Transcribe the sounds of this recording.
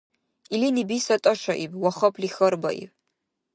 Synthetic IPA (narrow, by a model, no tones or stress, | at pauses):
ilinibisatʼɐʂʷaʔibʼwaχɐpʰlixɐrba̰ʔḭpʼ